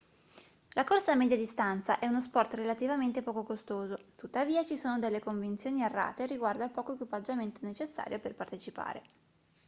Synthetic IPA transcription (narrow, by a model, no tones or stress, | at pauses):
lakorsamɛd̪jad̪ist̪ant̪saʔɛunos̬pɔrt̪relat̪ivament̪epɔːkokost̪oːzot̪ut̪ːaviːat͡ʃisoːnod̪elːekoɱvint̪sjoːnierːa̰ːt̪eriɡward̪alpɔːkoekwipad͡ʒament̪onet͡ʃesːa̰ːɾjoperpart̪et͡ʃipa̰ːɾḛ